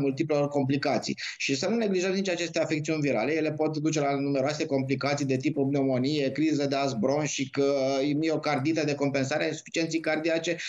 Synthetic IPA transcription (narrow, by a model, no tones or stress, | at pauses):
mult̪iplelorko̞mp̬likat̪sḭj | ʃisənune̞ɡliʒəmnit͡ʃat͡ʃe̞st̪e̞afekt̪siunʲviɾa̰leje̞le̞po̞t̪d̪ut͡ʃe̞lanume̞ɾoase̞ko̞mplikat̪sijd̪et̪̬ipubneomo̞nije̞kɾizəd̪eazbɾo̞nʃikmieokard̪it̪əd̪e̞ko̞mpe̞nsaɾeainsu̥fi̥t͡ʃiet̪sijkard̪iat͡ʃe̞